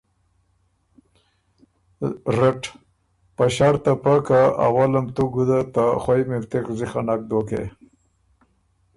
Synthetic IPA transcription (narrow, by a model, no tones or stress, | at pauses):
ɾeʈ | paɕaɾt̪apakaa̰walamt̪uɡud̪at̪aχwajmiɾt̪ekziχanak̚d̪okḛ